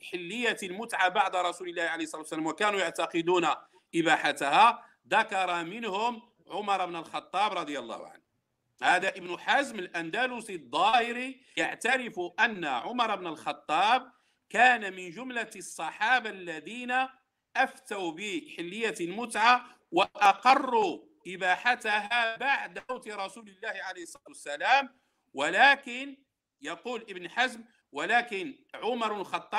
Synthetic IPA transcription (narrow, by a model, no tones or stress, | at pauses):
ħɪlːəjːalmʊt̪ʕabaʕd̪ɾˤɑsuləlːæhʕalehsˤɑlɑt̪wsːlæmwækænujaʕt̪ɑqəd̪una | ʔɪbaħat̪ahæ | d̪ɑkɑɾˤɑmənhʊm | ʕʊmɑɾˤɑbnəlxɑt̪ˤːɑbɾˤɑd̪ˤjəlˤːɑ̰hʊ̰ʕa̰n | hæd̪æʔəbnʊħazməlʔænd̪ælʊsid̪ˤːɑhɪɾi | jaʕt̪ɑɾɪfuʔənːaʕʊmɑɾˤɑbnəlxɑt̪ˤːɑb̚ | kæːnamɪnʒʊmlasˤːɑħɑːbalːæd̪iːna | ʔæft̪awbiħɪlːəjːamʊt̪ʕa | waʔɑqɑrˤːu | ʔɪbaħat̪aɦabaʕd̪wt̪ɾˤɑsuːləlːæːhʕalejhəsˤːt̪wsːælæːm | walækɪn | jɑquːlʔəbnħazm | walæːkɪn | ʕʊmɑɾˤblxɑt̪ˤːɑ